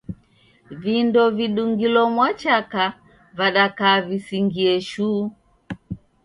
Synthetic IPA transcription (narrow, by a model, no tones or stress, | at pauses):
vindɔviɗuŋɡilɔmwat͡ʃaka | vaɗakaːvisiŋɡiɛʃuː